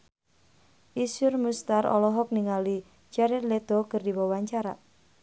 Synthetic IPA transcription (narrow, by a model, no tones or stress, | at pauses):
ʔisʊrmust̪aɾɔ̰lɔɦɔk̚niŋali | d͡ʒaɾɪt̪led̪̥ɔkərdiwɔwaɲt͡ʃaɾa